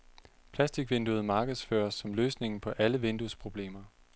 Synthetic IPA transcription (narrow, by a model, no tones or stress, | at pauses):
pʰlæsd̥iɡ̥ʋend̥uð̞̩ˠmɑ̈ːɡ̥əð̞̩ˠsfø̰ːɐsːɒ̽mløːsne̝ŋn̩pʰɒ̽ʔæləʋend̥uspʰʁo̝b̥le̝̰ːmɐ